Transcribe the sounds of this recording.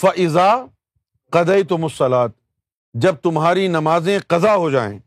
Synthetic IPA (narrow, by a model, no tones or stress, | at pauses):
fɐʔɪzaː | qɐd̪ɐjt̪ʊmʊsːɐlaːt̪̚ | d͡ʒɐb̚t̪ʊmɦaːɾinɐmaːzẽqɐzaɦod͡ʒaːḛ̃ː